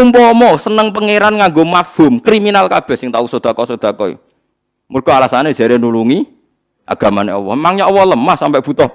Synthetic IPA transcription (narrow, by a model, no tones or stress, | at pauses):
umpɔmɔsənəŋpəŋeɾanŋaŋɡomafomkɾiminalkab̥ɛ̤hsɪŋt̪ausod̪̥a̤kɔsod̪̥a̤kɔḭ | murɡ̥ɔ̤alasaned̥ʒ̥a̤ɾenuluŋi | ʔa̰ɡ̥a̤maneɔ̰wɔ̰maŋɲaɔwɔləmahsampɛʔb̥ṳt̪ɔh